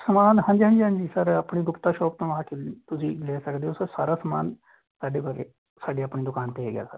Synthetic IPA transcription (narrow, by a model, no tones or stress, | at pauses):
səmaːnɦãːɲd͡ʒiːɦə̃ɲd͡ʒiːɦə̃ɲd͡ʒiːsəɾəpɳiːɡʊpt̪aːʃɔːpt̪õːaːkɪt̪ʊsĩːleːsəkd̪eːɦosəɾsaːɾaːsəmaːn | saːɖeːkoɾe | saːɖiːəpniːd̪ʊkaːnt̪eeɡɪja̰ːsə̰ɾ